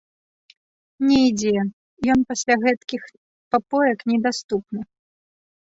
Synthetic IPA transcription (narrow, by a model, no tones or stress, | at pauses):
nʲɛjd͡zʲɛ | jɔnpasʲlʲaɣɛt̪kʲix | papɔjɐknʲɛd̪ast̪upnɨ